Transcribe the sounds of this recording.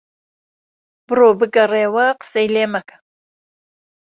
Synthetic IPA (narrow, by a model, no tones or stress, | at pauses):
b̥ɨroːbɨɡɐreːwɐqə̥sɐjleːmɐkʰɐ̥